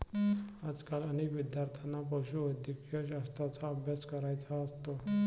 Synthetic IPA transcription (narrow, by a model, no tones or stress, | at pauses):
ad͡zkalənekʋid̪jaɾt̪ʰanːap̬əwɕuəd̪ʱjəkijəɕast̪ɾat͡saəbʱjaskəɾajt͡saəst̪o